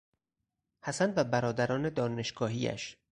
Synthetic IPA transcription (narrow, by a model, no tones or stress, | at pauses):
hæsænvæbæɾɒːd̪æɾɒːne̞d̪ɒːne̞ʃɡ̥ɒːɦiːæ̰ʃ